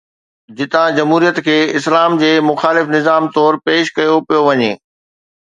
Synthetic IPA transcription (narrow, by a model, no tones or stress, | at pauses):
d͡ʑɪt̪ãd͡ʑɐmɦuːɾijət̪kʰeːɪslaːmd͡ʑeːmʊxaːlɪfnɪzaːmt̪ɔːɾpeːʃkɐjopijoʋɐɲeː